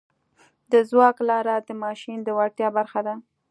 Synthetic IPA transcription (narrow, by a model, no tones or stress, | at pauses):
d̪əzwɑklɑɾad̪əmɑʃind̪əwaɽt̪jɑbaɾxad̪a